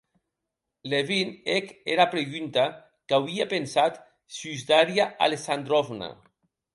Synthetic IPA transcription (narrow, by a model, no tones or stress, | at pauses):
leβinekeɾapɾeɣynt̪a | kawiapensat̪ | syzd̪aɾjaʔa̰lesand̪ɾofna̰